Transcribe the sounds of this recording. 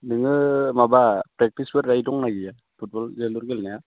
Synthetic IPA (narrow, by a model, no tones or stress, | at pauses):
nɯŋɯmabapɾɛk̚tisbɯɾːajdɔŋnaɡija | pʰut̚bɔlzeluɾɡelnaja